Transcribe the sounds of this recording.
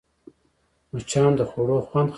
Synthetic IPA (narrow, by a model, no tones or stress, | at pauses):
mut͡ʃʰɑːnd̪əxoɽoxwand̪x